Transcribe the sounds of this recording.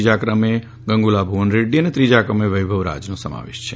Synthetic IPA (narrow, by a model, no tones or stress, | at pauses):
d͡ʒakɾəme | ɡəŋɡulabʱuʋənɾeɖiənet̪ɾid͡ʒakɾəmeʋəjbʱəʋɾa̰d͡ʒnosəma̰ʋḛʃt͡ʃʰe